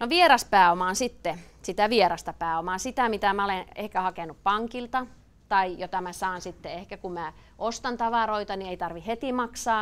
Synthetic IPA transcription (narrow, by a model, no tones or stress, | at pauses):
noʋierɑspæːomɑːnsit̪ːe | sit̪æʋieɾɑst̪ɑpæːomɑːnsit̪æmit̪æmæolenehkæhɑkenuppɑŋkilt̪ɑ | t̪ɑijot̪ɑmæsɑːnsit̪ːeehkækumæ | ʔost̪ɑnt̪ɑʋɑroit̪ɑnieit̪ɑrʋihhet̪imɑksɑː